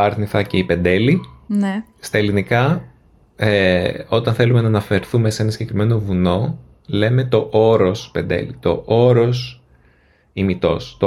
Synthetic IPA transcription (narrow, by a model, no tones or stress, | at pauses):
ɐɾθniθɐce̞ipe̞nd̪e̞line | st̪ɐelinikɐ | eo̞t̪ɐnθe̞lume̞nɐːnɐfe̞ɾθume̞senɐsiɟe̞kɾime̞no̞vuno̞ | le̞me̞t̪o̞ʔoɾo̞spe̞nd̪e̞̰lit̪o̞ʔoɾos | imit̪o̞̰st̪o